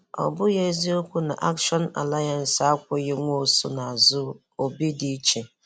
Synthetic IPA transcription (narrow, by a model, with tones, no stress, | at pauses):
ɔ̰˨bʊ˦je˦zi˦o˦kʷu˦na̰˨ʔa˦kʃɔ˦n˦a̰˨la˦ja˨n̩˨sa˦kʷʊ˦ɣɪ˦ŋʷo˦˨sʊ̰˦na˨a˨zʊ˦ | o˨bi˦di˦t͡ʃe˨